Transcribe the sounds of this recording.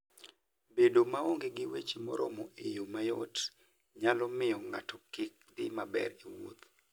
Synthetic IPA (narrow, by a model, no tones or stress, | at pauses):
bedomaoŋɡeɡɪwet͡ʃimɔ̰ɾɔ̰mɔʔejomajot | ɲalɔmɪjɔŋa̰tɔkɪk̚d̪ɪmabɛ̰riwot̪